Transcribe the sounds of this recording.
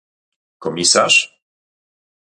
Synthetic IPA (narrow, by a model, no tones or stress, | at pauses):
kɔmʲisaʂ